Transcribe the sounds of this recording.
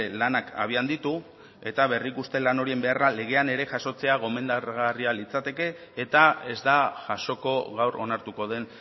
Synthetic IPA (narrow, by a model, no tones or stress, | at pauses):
lanaka̰β̞iand̪it̪u | e̞t̪aβ̞e̞rikust̪e̞lano̞ɾie̞mbe̞arale̞ɣ̞e̞ane̞ɾe̞ʝaʃo̞t͡se̞aɣ̞o̞me̞nd̪aɾɣarialit͡sat̪e̞ke̞ː | t̪ae̞zd̪aʝaʃo̞ko̞ɣawɾo̞̰naɾt̪uko̞ðe̞n